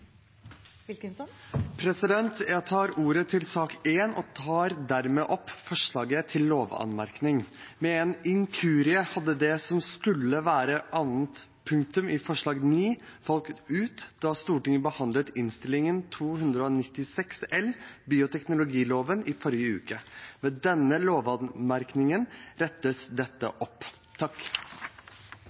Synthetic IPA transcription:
pʰɾɛsɪd̪ɛnt̪jæt̪ʰɑːɾuːɾət̪ʰɪlsɑːkeːnɔ̰t̪ʰɑːɾd̪æɾmeːʔɔpːfɔʂɭɑːɡət̪ʰɪlːoːʋɑ̰nmæɾknɪŋ | mɛɛnɪŋkʰʉːɾɪəhɑd̪ːəd̪ɛsɔmskʉlːəʋæːɾəʔɑʋənt̪pʰʉŋk̚t̪ʉmɪfɔʂɭɑːɡniːfɑlkt̪ʉːt̪d̪̥ɑst̪uːʈɪŋəbəhɑnd̪lət̪ɪnst̪ɪlɪŋənt̪ʰuːhʉnd̪ɾəɔnɪt̪ːɪsɛksɛlbiːʊt̪ʰɛknʊlʊɡiːloːʋənɪfɔɾjəʉ̰ːkəmɛd̪ɛnːəloːʋɑnmæɾknɪŋənɾɛt̪ːəsd̪ɛt̪ːə̰ʔɔpː | t̪ʰɑkː

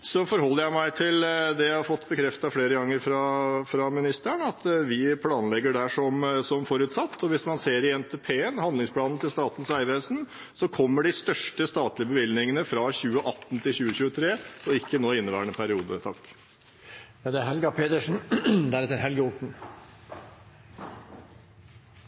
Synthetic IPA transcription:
sɔfɔɾhɔlːəɾjæɪmæɪt̪ʰɪld̪ɛjæhɑɾfɔt̪ːbəkʰɾɛft̪ɑfleːɾəɡɑŋːəɾfɾɑfɾɑmɪnɪst̪əɳɑt̪ʋɪpʰlɑːnlɛɡːəɖæʂɔmsɔmfɔɾʉt̪sɑt̪ːɔʋɪsmɑnseːɾɪɛnt̪ʰɛpʰeːənhɑnd̪lɪŋspʰlɑːnnət̪ʰɪlst̪ɑːt̪n̩sæɪʋeːsn̩ | sɔkʰɔmːəɖɪst̪œʂʈəst̪ɑːt̪lɪəbəʋɪlnɪŋənəfɾɑçʉːəʔɑt̪ːnt̪ʰɪlçʉːəçʉːət̪ʰɾeːɔɪkːənoːɪnːəʋæːɳəpʰæɾɪuːd̪ə̰t̪ʰɑkː | jɑːd̪ɛæɾɦɛlɡɑpʰeːt̪əʂn̩d̪æɾɛt̪ːəɾhɛlɡʊʈɳ̩

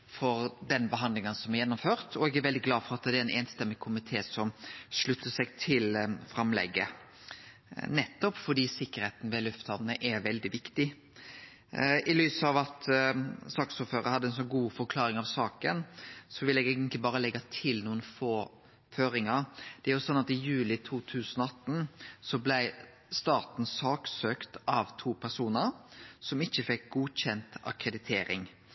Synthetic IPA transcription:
fɔɾd̪ɛnbəɦɑnd̪lɪŋənsɔmæɾjɛnːʊmføːɾt̪ʰɔɛɡæɾʋɛld̪ɪɡlɑːd̪fɔɾɑt̪d̪ɛɾɛneːnst̪ɛmːɪkʰʊmɪt̪ʰeːsɔmʂɭʉt̪ːəʂɛɡt̪ʰɪlfɾɑmlɛ̰ɡːə | nɛt̪ːɔpfɔɖiːsɪkːəɾheːt̪n̩ʋɛlʉft̪hɑʋənəʔɛɾʋɛld̪ɪʋɪkt̪ɪ | ɪlyːsɑʋɑt̪sɑːksoːɾføːɾə̰hɑd̪ːəɛnsɔnɡuːfɔɾkʰlɑːɾɪŋɑʋsɑːkənsɔʋɪlɛɡæɪɡənt̪lɪbɑːɾəlɛɡːɑt̪ʰɪlnuːənfoː | føːɾɪŋəɾd̪̥ɛæɾjʊsɔnːɑt̪ɪjʉːlɪt̪ʰuːt̪ʰʉːsənɔɑt̪n̩sɔblæɪ | st̪ɑːt̪n̩sɑːksøːkt̪ɑʋt̪ʰuːpʰæʁsuːnəɾsɔmɪçːəfɛk̚ɡuːɕɛnt̪ɑ̰kɾɛd̪ɪt̪ʰeːɾɪ̰ŋ

